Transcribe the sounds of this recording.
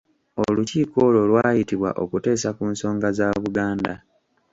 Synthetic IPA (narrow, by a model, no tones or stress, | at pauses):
oluciːko̞ːlo̞lwaːjitiβwa̰ʔo̞kute̞ːsakuːnso̞ːŋɡazaβuɡaːnda